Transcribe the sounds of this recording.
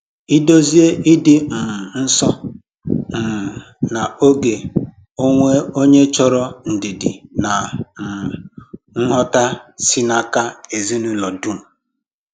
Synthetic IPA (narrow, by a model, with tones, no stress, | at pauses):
i˦do˦zi˦e˦ʔi˦dɪ˦m̩˨m˨n̩˦sɔ˦ | m̩˨ | na˨o˦ɡe˨ | o˦ŋʷe˦o˦ɲe˦t͡ʃɔ˦ɾɔ˦n̩˨dɪ˨dɪ̰˨na˨m̩˨ | ŋ̩˦ɦɔ˦ta˦si˦na˦ka˦e˨zi˦nu˦lɔ˨du˦˨m̩˨